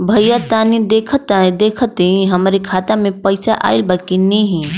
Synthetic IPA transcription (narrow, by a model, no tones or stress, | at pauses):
bʱɐjjat̪aːnid̪eːkʰət̪aẽd̪eːkʰt̪eĩɦɐmɾekʰaːt̪amẽpəɪsaʔa̰ːɪlbakinĩɦĩ